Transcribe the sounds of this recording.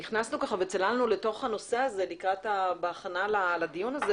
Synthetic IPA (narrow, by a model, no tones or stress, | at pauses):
niχnasnukaχavet͡selalnuleto̞χhano̞se̞aze̞likʁatabeaχanalalad̪ijunaze